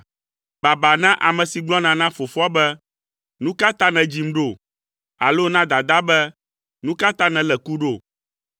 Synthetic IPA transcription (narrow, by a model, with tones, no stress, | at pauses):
ba˨ba˨nã˦ʔa˨mɛ̃˨si˨ɡ͡blɔ˦nã˨nã˦fo˨fɔ˦a˦bɛ˦ | nũ˦ka˦t̪a˦nɛ̃˨d͡ʑi˨˦m˦ɖo˦˨ | a̰˨lo˦nã˦d̪a˨d̪a˦bɛ˦ | nũ˦ka˦t̪a˦nɛ̃˨lɛ˨ku˦ɖo˦˨